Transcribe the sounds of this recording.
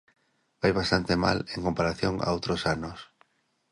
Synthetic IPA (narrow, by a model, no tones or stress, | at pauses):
bajβast̪ant̪ema̰leŋkompaɾaθjoŋa̰owt̪ɾosanos